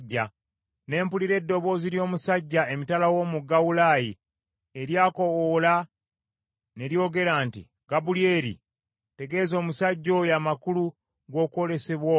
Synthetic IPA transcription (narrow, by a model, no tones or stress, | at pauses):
ɟːa | ne̞ːmpuliɾe̞dːo̞βo̞ːziɾjo̞ːmusaɟːae̞mitalawo̞ːmuɡawulaji | eɾjaːko̞wola | ne̞ɾjo̞ːɡe̞ɾaːntḭ | ɡ̥abulie̞ɾḭ | te̞ɡe̞ːzo̞ːmusaɟːo̞jaːmakulu | ɡo̞ːko̞ɾe̞seβwo